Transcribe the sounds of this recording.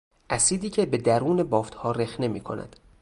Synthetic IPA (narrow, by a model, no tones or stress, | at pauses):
ʔæsiːd̪iːcʰe̞be̞d̪æɾuːne̞bɒːft̪hɒːɾexne̞miːkʰo̞̰næ̰d̪̥